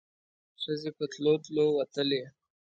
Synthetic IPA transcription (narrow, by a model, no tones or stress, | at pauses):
ʂəzekət̪lot̪lowɐt̪əle